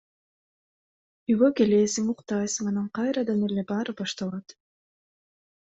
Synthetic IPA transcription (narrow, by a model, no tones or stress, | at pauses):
yβøkelʲeːsiŋuqt̪ɑjsmɑnɑɴqɑjɾɑd̪ɑnele̞bɑːɾɯbɑʃt̪ɑlˠɑt̪